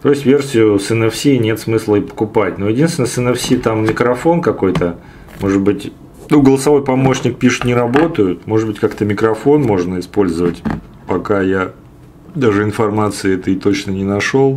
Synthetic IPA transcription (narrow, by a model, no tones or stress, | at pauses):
t̪ojɪsʲtʲvʲe̞rsʲɪjʊsɛnɛfsʲiːnʲe̞t̪smɨslˠəipə̥kʊpatʲnojɪdʲinst̪vʲɪnəsɛnɛfsʲit̪amːʲɪkɾɐfo̞nkɐko̞jt̪ə | mo̞ʐɨd̪̚bɨtʲ | nuɡəlˠəsɐvo̞jpɐmo̞ɕnʲɪk̚pʲiʂɨ̥t̪nʲɪɾɐbo̞t̪əjʊt̪mo̞ʐɨd̪̚bɨtʲkakt̪əmʲɪkɾɐfo̞nmo̞ʐnəɪspo̞lʲzəvətʲ | pɐkaja | d̪aʐɨɪnfɐrmat̪sɨɪɛt̪ət̪o̞t͡ɕnənʲɪnɐʂo̞lˠ